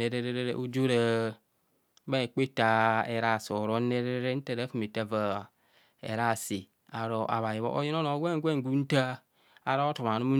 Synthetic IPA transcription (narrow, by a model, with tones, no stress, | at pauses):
e˨ɾe˦ɾe˦ɾe˦ɾḛ˦ʔu˦d͡ʒo˦ɾe˦ | ba˦e˨k͡pe˦ta˨e˨ɾa˨so˨ɾo˦ne˦ɾe˦ɾe˦ɾe˦n̩˦te˦˨ɾe˨˦fi˨mi˨ta˦va˨ | ḛ˨ɾa˦˨si˨ | a˨ɾo˨ʔa̰˨βa˨ji˨βo̰˦ʔo̰˦ji˦n˦o˦no˨˦ɡʷe˦˨ŋ˦ɡʷe˦˨ŋ˨ɡu˦n̩˦ta˦ | a˨ɾo˦o˦to˨ma˨nu˦mu˦